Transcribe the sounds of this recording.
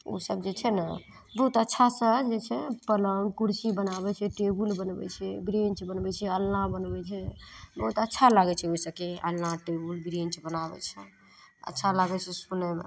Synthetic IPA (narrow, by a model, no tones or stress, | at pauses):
o̰səbd͡ʒet͡ʃʰɛnə | bəɦut̪ətːʃʰasəɦd͡ʒet͡ʃʰɛpələŋɡkuɾsibənabɛt͡ʃʰɛʈebulbənbɛ̰t͡ʃʰɛbɾent͡ʃbənbɛt͡ʃʰɛəlnãbənbɛt͡ʃʰɛbəɦut̪ətːʃʰalaɡɛt͡ʃʰɛoisəb̚keə̰lnaʈebulbɾẽnt͡ʃbənabɛ̰t͡ʃʰɛ | ə̰tːʃʰalaɡɛt͡ʃʰɛsunɛmḛ